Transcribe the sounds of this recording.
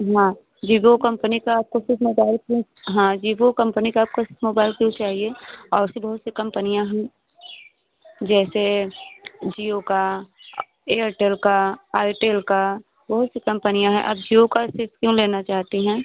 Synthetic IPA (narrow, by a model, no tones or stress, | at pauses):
ɦãː | d͡ʒiːbokɐ̃mpənikaaːp̚kosɪfmoːbaːɪlkjũ | ɦãːd͡ʒiːbokɐ̃mpənikaaːp̚kosɪfmoːbaːɪlkjũt͡ʃaːɦieɔːɾsibɐɦʊt̪sikɐ̃mpənijãɦɛ̃ː | d͡ʒɛːse | d͡ʒiːoka | eːəɾʈeːlkaaːɪʈeːlka | bɐɦʊt̪sikɐ̃mpənijãɦɛ̰̃ʔɐb̚d͡ʒiːokasɪɾfkjũleːnat͡ʃaːɦt̪iɦɛ̃ː